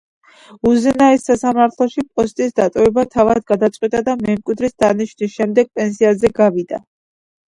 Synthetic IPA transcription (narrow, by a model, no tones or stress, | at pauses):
uzɛnaɛsːasamaɾt̪ʰlˠɔʃipʼɔst̪ʼisd̪at̪ʼɔvɛbat̪ʰavad̪ɡad̪at̪sʼqʼwit̪ʼad̪amɛmkʼwid̪ɾisd̪aniʃnisʃɛmd̪ɛɡ̥̚pʼɛns̬iazɛɡavid̪a̰